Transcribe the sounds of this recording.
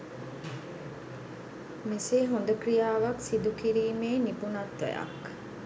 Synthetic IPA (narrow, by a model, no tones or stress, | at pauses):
meseːɦond̪əkrijaːʋaksid̪ukiɾiːmeːnipunat̪ʋæ̰ja̰k